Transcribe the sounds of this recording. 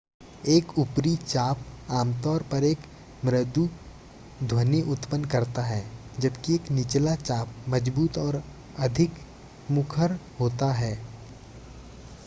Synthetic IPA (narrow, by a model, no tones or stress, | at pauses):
eːkʊpɾit͡ʃaːpaːmt̪ɔːɾpɐɾeːk | mɾəd̪u | d̪ʱwɐneʔʊt̪pənkɐɾt̪aɦɛːd͡ʒɐbkieːknɪt͡ʃlat͡ʃaːp̚mɐd͡ʒbuːt̪ɔːɾ | ɐd̪ʱɪk | mʊkʰəɾɦoːt̪aɦɛː